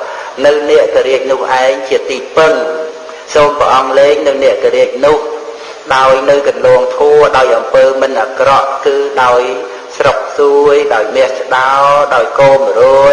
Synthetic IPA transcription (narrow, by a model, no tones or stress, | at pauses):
nɨwnɛ̆əʔkəɾiək̚nʊ̆əhʔaɛŋt͡ɕiət̪iːpɨn | soːmpə̰ʔɑŋleːŋnɨwnɛ̆əʔkəɾiək̚nʊ̆əh | ɗaɔjnɨwkɑnlɔːŋt̪ʰuəɗaɔjʔɑmpəːmɨnʔakrɑʔkɨːɗaɔj | srok̚suəjɗaɔjmɛəht͡ɕə̆ɗaɔɗaɔjkoːmroə